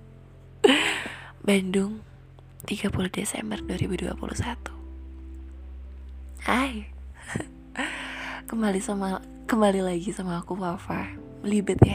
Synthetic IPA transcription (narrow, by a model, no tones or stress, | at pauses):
bandʊŋ | t̪iɡapuluhdesɛ̰mbərduaɾibudua̰pṵlʔṵsat̪u̥ | aj | kəmbalisama | kəmbalilaɡisamaːkuwafa | məlibʊt̪ja